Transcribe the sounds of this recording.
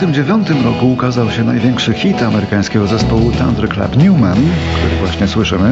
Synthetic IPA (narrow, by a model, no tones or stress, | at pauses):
t̪ɘmd͡ʑevʲjɔnt̪ɘmɾɔkuːkazawɕɛnajvʲjɛŋkʂɘxʲit̪amɛɾɘkaj̃skʲɛɡɔzɛspɔwut̪a̰nd̪ɾkla̰pɲʲumɛnkt̪uɾɘvwaɕɲɛswɘʂɘmɘ